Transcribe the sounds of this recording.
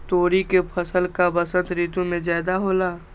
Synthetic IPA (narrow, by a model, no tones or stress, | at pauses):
t̪oːɾikepʰəsəlkabɐsə̃nt̪ɾiːt̪ũmẽd͡ʒaːd̪aɦoːlaː